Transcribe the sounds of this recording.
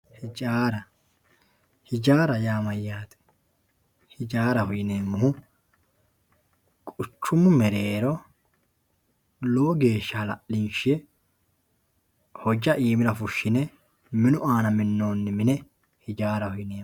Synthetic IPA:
hɪd͡ʒaːɾɐ | hɪd͡ʒaːɾɐjaːmɐjːaːt̪ɛ̥ | hɪd͡ʒaːɾɐhʊjɪneːmːʊhʊ | kʼʊt͡ʃːʊmːʊmɛɾe̞ːɾɔ | loːɡe̞ːʃːɐhɐlɐʔlɪnʃɪjɛ | hɔd͡ʒɐʔiːmɪɾɐfʊʃːɪnɛ | mɪnʊʔaːnɐmɪnːo̞ːnːɪmɪnɛ | hɪd͡ʒaːɾɐhʊjɪneː

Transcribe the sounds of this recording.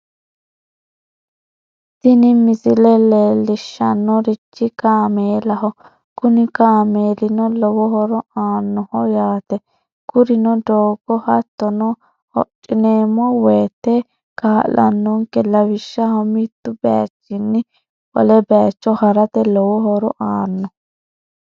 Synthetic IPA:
tɪnɪmɪsɪlɛleːlːɪʃːɐnːɔɾɪt͡ʃːɪkaːmeːlɐɦɔ | kʊnɪkaːmeːlɪnɔlɔwɔɦɔɾɔaːnːɔhɔjaːt̪ɛ | kʊɾɪnɔd̪oːɡɔhɐt̪ːɔnɔ | hɔ̰t͡ʃʼːɪneːmːɔweːt̪ːɛ | kaːlɐ̰nːʊŋkɛlɐwɪʃːɐhɔmit̪ːʊbɛa̰t͡ʃːɪnːɪ | ʔɔ̰lɛbɛjat͡ʃːɔhɐɾɐt̪ɛlɔwɔɦɔɾɔʔaːnːɔ

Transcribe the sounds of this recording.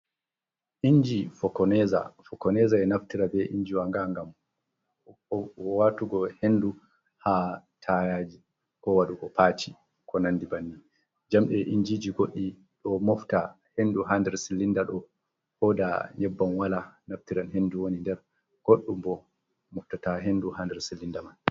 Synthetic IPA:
ʔiɲd͡ʒifɔkɔnɛza̰fɔkɔnɛzaɛnaftiɾabɛʔiɲd͡ʒiwaŋɡaŋɡam | watuɡɔhendu | hatʰajad͡ʒi | kɔwaɗukɔpʰaːt͡ʃi | kʰɔnandibanːi | d͡ʒamɗɛʔiɲd͡ʒid͡ʒiɡoɗːi | ɗɔmɔfta | henduɦandɛɾsilːindaɗɔ | hɔdaɲɛbːanwalanaftiɾanhenduwonindɛɾ | ɡ̥oɗːumbɔ | mɔftataɦenduhandɛɾsilːindaman

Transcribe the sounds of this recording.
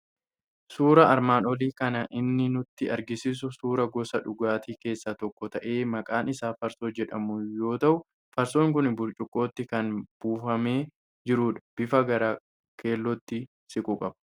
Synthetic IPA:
suːɾɐɐɾmaːnɔliːkɐnɐʔɪnːɪnʊt̪ːɪɐɾɡɪsɪs̬ʊsuːɾɐɡɔsɐᶑʊɡaːt̪iːke̞ːsːɐt̪ɔkːɔt̪ɐʔe̞ːmɐkʼaːnɪsaːfɐɾsoːd͡ʒɛᶑɐmʊjo̞ːt̪ɐʔʊ | fɐɾsoːŋkʊnbʊɾt͡ʃʼʊkʼːo̞ːt̪ːɪkɐnb̥uːfɐme̞ː | d͡ʒɪɾuːᶑɐ̥b̥ɪfɐɡɐɾaː | kʰe̞ːlːɔt̪ːɪ | sɪkʼuːkʼɐbɐ̥

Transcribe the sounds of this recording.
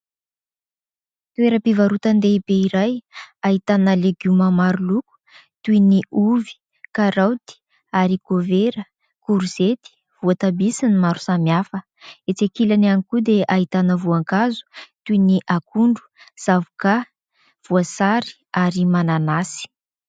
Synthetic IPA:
t̪ueɾəpivaɾut̪and̪ebeiɾajaɦit̪anəleɡuməmaɾuluku̥ | t̪uiniuvi̥ | kaɾawt̪i̥ | aɾikoveɾə | kuɾuz̥et̪i̥ | v̥uat̪abisinimaɾu̥samjafə | et͡sekilanianikud̪eʔaɦit̪anəvuaŋkazu̥t̪uiniʔakuɳɖ͡ʐu̥ | z̥avuka | v̥uasaɾi̥ | aɾimananasi̥

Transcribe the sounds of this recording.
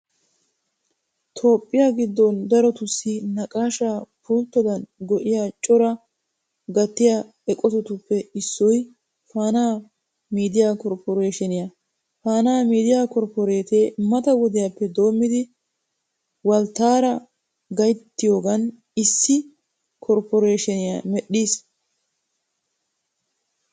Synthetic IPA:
t̪ʰo̞ːpʼːɪjaɡɪd̪ːɔnd̪ɐɾɔt̪ʊsːɪnɐkʼaːʃaːpuːlt̪ːɔd̪ɐnɡɔʔɪjaːt͡ʃʼɔɾɐ | ɡɐt̪ːɪja | ɛkʼɔt̪ʊt̪ʊpːɛɪsːɔj | faːnaː | miːd̪ɪjaːkɔɾpɔɾeːʃɛnɪjɐ | faːnaːmiːd̪ɪjaːkɔɾpɔɾeːt̪e̞ːmɐt̪ɐwɔd̪ɪjapːɛd̪o̞ːmːɪd̪ɪ | wɐlt̪ːaːɾɐ | ɡɐjt̪ːɪjo̞ːɡɐn | ɪsːɪ | kʰɔɾpɔɾeːʃɛnɪja̰mɛɗːiːs

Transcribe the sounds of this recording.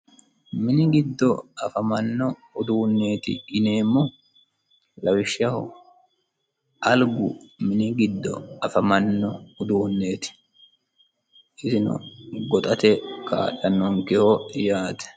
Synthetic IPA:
mɪnɪɡɪd̪ːɔɐfɐmɐnːɔʊd̪uːnːeːt̪ɪ̰ɪneːmːo | lɐwɪʃɐhʊ̰ | ʔɐlɡʊmɪnɪɡɪd̪ːɔ̰ɐfɐmɐnːɔʊd̪uːnːeːt̪ɪ̥ | ɪsɪnʊ̰ɡɔt̪ʼɐt̪ɛka̰ːᶑɐnːoŋkɪhoːɪjaːt̪ɛ̥

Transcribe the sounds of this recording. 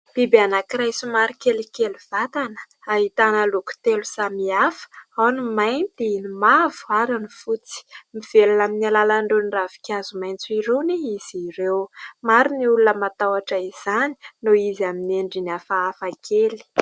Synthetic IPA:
b̥ibeanakiɾajsumaɾikelikeluv̥at̪anə̥ | aɦit̪anəluku̥t̪elusamiafə̥anumajnt̪iinimavuaɾanifut͡si̥miv̥elunaminialalaɳɖ͡ʐenravi̥kʲazumajnt͡suiɾewniiz̥iɾewmaɾiniulunəmat̪awaʈ͡ʂaiz̥ani̥noizamineɳɖ͡ʐinafaafakʰeli̥

